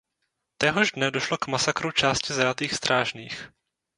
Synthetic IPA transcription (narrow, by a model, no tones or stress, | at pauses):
t̪ɛɦo̞ʒdnɛdo̞ʃlo̞kmasakɾut͡ʃaːscɪzajat̪iːxst̪ɾʔaːʒniːx